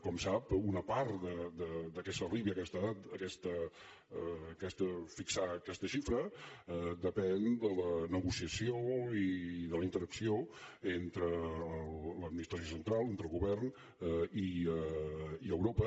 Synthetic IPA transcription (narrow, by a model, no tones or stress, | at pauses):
kɔmsapunəpaɾt̪d̪əd̪əd̪əkɛst̪əliβiəkɛst̪əðat̪əkɛst̪ə | kɛst̪əfiksaəkɛst̪əʃifɾə | d̪əpɛnd̪ələnəɣusiəsioiðələint̪əɾəksioent̪ɾə | ləd̪minist̪ɾəs̬josənt̪ɾalˠent̪ɾəlˠɣuβɛrn | i | iəwɾopə